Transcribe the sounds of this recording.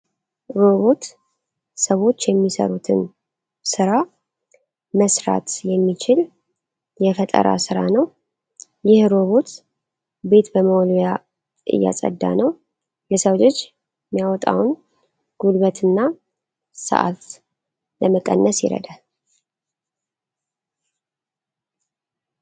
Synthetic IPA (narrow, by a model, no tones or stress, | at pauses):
ɾoβo̞t̪ | səwo̞t͡ʃːjɛmːisə̰ɾut̪ʰɨn | sɨɾa | məsɾa̰t̪jɛmːit͡ʃɪl | jɛfət̪ʼə̰ɾa̰sɨɾanəw | jɪhɾo̞βo̞t̪ | be̞t̪bəməwoloja | ʔɨ̰jːa̰sʼə̰d̪ːa̰nəw | jɛsəwd͡ʒod͡ʒ | mijawɔt̪ʼa̰wn | ɡ̥ulβət̪ʰɨnːa | sə̰ʔa̰t̪ | ləməkʼə̰nːəsjɪ̰ɾə̰d̪əh